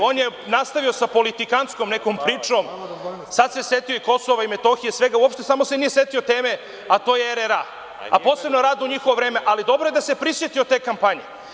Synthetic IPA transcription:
oːnjenast̪aʋio̞sapo̞lit̪ikantskomnekompɾiːt͡ʂo̞ːm | sad̪sesjet̪io̞iko̞soʋaimet̪o̞xijesʋe̞ɡauopʃt̪e̞samo̞senije̞se̞t̪iot̪e̞ːme̞ | at̪ojeeɾeɾa | a̰po̞ːse̞bnoɾaːd̪uɲixo̞ʋovɾe̞ːme̞ʔalid̪o̞bɾo̞jed̪ase̞pɾisje̞t̪io̞t̪eːkampaɲe

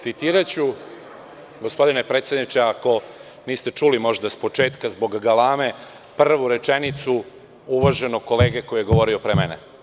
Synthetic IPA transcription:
t̪sit̪iːɾat͡ɕu | ɡo̞spo̞d̪ine̞pɾet̪sʲjed̪nit͡ʃeako̞ | niːst̪e̞t͡ʃuːlimo̞ʒd̪aspo̞t͡ʃe̞ːt̪kazbo̞ɡɡalaːme̞ | pr̩ʋuɾe̞t͡ʃenit̪su | uʋaʒe̞noko̞le̞ːɡeko̞jijeɡo̞ʋo̞ɾio̞pɾemɛne

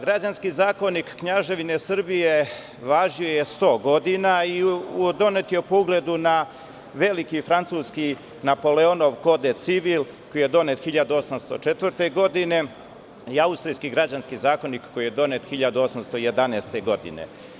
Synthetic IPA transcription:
ɡɾad͡ʑanskizaːko̞nikːɲaʒe̞ʋine̞sr̩bije | ʋaːʒiojest̪o̞ːɡo̞d̪inaiud̪o̞net̪iupoɡle̞d̪una | ʋe̞likifɾant̪suːski | napo̞leono̞ʋko̞d̪et̪siʋil | ko̞jijed̪o̞net̪xiʎad̪uo̞samst̪o̞̰t͡ʃet̪ʋr̩t̪e̞ɡo̞d̪ine̞ | iaust̪ɾijskiɡɾad͡ʑanskizaːko̞nikkːo̞jijed̪o̞net̪xiʎad̪uo̞samst̪o̞jed̪aneːst̪e̞ɡo̞d̪ḭnḛ

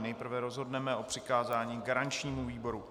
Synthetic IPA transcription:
nɛjpr̩vɛɾo̞zɦo̞dnɛmɛo̞pr̥ɪkaːzaːɲiːɡaɾant͡ʃɲiːmuviːbo̞ɾu

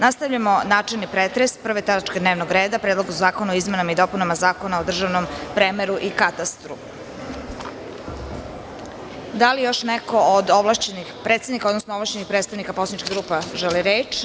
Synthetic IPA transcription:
nast̪avʎamo̞naːt͡ʃelˠnipɾet̪ɾespr̩ʋet̪aɾat͡ʃked̪ne̞ːʋnoɡɾeːd̪apɾeːd̪lˠoɡzzaːkonuoizmenamaid̪o̞punamazaːkonaod̪r̩ʒaʋnompɾemeɾuʔikat̪ast̪ɾṵ | d̪alijo̞ʃneko̞od̪oʋlaʃt͡ɕenixpɾet̪sed̪nikaod̪nosnooʋlaʃt͡ɕenixpɾet̪st̪aʋnikaposanit͡ʃkeɡɾuːpaʒeliɾeːt͡ʃ

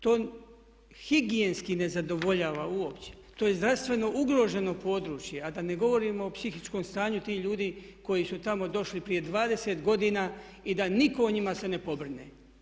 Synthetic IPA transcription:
t̪oːn | hiɡijenskine̞zad̪o̞ʋo̞ʎaːʋauopt͡ɕe̥t̪oje̞zd̪ɾast̪ʋe̞no̞ʔuɡɾo̞ːʒe̞no̞po̞ːd̪ɾuːt͡ʃje̞ad̪ane̞ɡo̞ʋo̞ɾiːmoːpsixit͡ʃko̞mst̪aːɲut̪iːʎuːd̪iːko̞jisut̪amo̞d̪o̞ʃlipɾije̞d̪ʋaːd̪e̞se̞t̪ɡo̞d̪inaːid̪aniko̞oɲimase̞ne̞po̞br̩nḛː

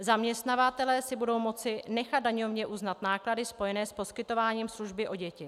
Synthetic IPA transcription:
zamɲɛst̪navat̪ɛlɛːsɪbudo̞wmo̞t͡sɪnɛxat̪d̪daɲo̞vɲɛʔuznat̪naːkladɪspo̞jɛnɛːspo̞skɪt̪o̞vaːɲiːmsluʒbɪʔoɟɛcɪ

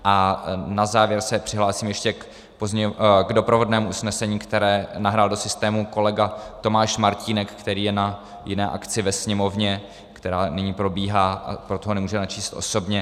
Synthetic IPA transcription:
ʔanazaːvjɛɾsɛpr̥ɪɦlaːsiːmjɛʃcɛ | pozɲɛɡdo̞pɾovo̞dnɛːmuʔusnɛsɛɲiːkt̪ɛɾɛːnaɦɾaːldo̞sɪst̪ɛːmuko̞lɛɡat̪o̞maːʃmaɾciːnɛkːt̪ɛɾiːjɛna | jɪnɛːʔa̰kt͡sɪvɛsɲɛmo̞vɲɛ | kt̪ɛɾaːnɪɲiːpɾo̞biːɦaːʔa̰pɾo̞t̪oɦonɛmuːʒɛnat͡ʃiːst̪ʔo̞̰so̞bɲɛ

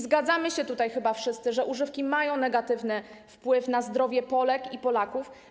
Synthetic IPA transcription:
zɡad̪zamɘɕɛt̪ut̪ajxɘbafʂɘst̪sɘʐɛʔuʐɘfkʲimajɔ̃w̃nɛɡat̪ɘvnɘfpwɘfnazd̪ɾɔvʲjɛpɔlɛkipɔlakuf

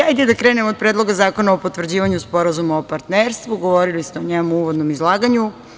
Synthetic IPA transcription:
ajd̪ed̪akɾeːnemod̪̚pɾed̪lˠo̞ɡazaːko̞naopot̪ʋrd͡ʑiːʋaɲuspo̞ɾazumuopaɾt̪neɾst̪ʋuɡo̞ʋoɾilist̪eoɲemuuʋod̪nomizlˠaːɡaɲu

